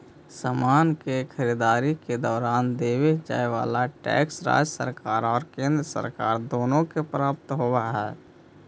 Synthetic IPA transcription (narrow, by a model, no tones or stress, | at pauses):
samaːnkekʰəɾid̪aːɾiked̪ɔːɾaːnd̪eːwed͡ʒa̰ːeʋa̰ːlaʈɛ̰ːksɾa̰ːd͡ʒəsə̰ɾkaːɾɔːɾkẽːnd̪ɾəsə̰ɾkaːɾd̪oːnõkepɾaːp̚t̪ɦoaɦɛː